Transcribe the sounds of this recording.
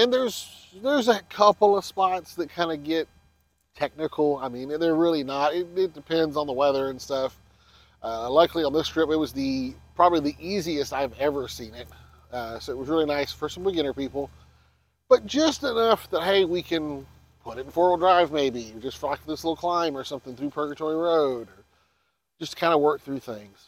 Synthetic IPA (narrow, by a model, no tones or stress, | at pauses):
ɨ̃nðə˞zðə˞zɨkʰʌpl̩ˠʌv̥spɑtsðɨt̚kʰãɪ̃ndɨɡɛtʰ | ɛk̚nɨkʰl̩ˠaɪmĩnðə˞ɹɪlˠinəɾɪt̚ɪt̚d̥ɨpʰɛ̃ndzn̩ðəwɛðə˞ɨ̃nstʌf | ʔʌlaɪkliə̃nðɪstɹ̥ɪpɨt̚wʌzðipʰɹ̥ɑbəbliðiʔiziɨstaɪvɛvə˞sĩnɪt̚ | ʌsoʊɨt̚wʌzɹɪlˠinaɪsfə˞sʌ̃m̩bɨɡɪ̃ñə˞pipl̩ˠ | b̥ʌt̚d̥ʒ̥ʌstɨnʌfðət̚ɦeɪwikʰɨ̃n | pʰʊɾɨɾn̩fɔɹwl̩ˠdɹaɪvmeɪbid͡ʒʌstflakðɪslɪɾl̩ˠkʰl̥ãɪ̃mə˞sʌ̃mθɪ̃ŋθɹʉpʰɜ˞ɡɨtʰɔɹiɹoʊɾə̥˞ | d͡ʒʌskʰãɪ̃ndəwɜ˞k̚θɹʉθɪ̃ŋz̥